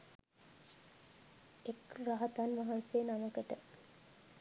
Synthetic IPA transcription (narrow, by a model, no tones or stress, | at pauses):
ekraɦat̪anmaɦansenaməkəʈə